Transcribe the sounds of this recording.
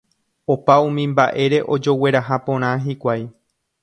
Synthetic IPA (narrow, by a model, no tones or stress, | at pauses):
opaũmĩmbaʔe̞ɾe̞ʔo̞d͡ʒo̞we̞ɾaɦapõ̞ɾ̃ãɦikʷaj